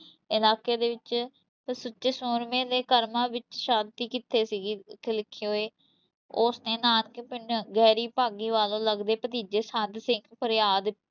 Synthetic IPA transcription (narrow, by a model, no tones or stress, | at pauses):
ɪlaːkeːd̪eːʋɪt͡ʃ | sʊt͡ʃːesoːɾmẽːd̪eːkəɾmãːʋɪt͡ʃʃaːd̪t̪iːkɪt̪ʰːeːsiɡkʰɪlɪkʰːeoːeː | oːsnẽːnaːnkepɪnɡɛːɾiːpaːɡiːʋaːlõːləɡd̪eːpət̪iːd͡ʒeːsə̃nd̪sɪ̃ŋɡpʰəɾjaːd̪